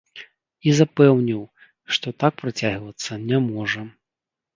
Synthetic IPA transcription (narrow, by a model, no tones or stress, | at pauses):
izapɛwnʲiw | ʂt̪ɔt̪ak̚pɾɨt͡sʲaɣvɐt̪sːɐnʲɛmɔʐɐ